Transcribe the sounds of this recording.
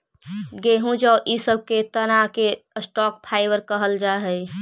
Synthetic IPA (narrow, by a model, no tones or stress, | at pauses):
ɡeːɦũd͡ʒəʔisəb̚ʱket̪ənakeəsʈɔːk̚pʰaːɪbəɾkəɦəld͡ʒaːɦəj